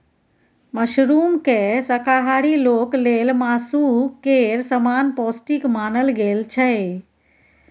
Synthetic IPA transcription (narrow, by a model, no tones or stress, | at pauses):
məʃɾuːmkesəkaɦaɽiloːklelmaːsukeɾsəmaːnpɔːsʈikmaːnəlɡelt͡ʃʰə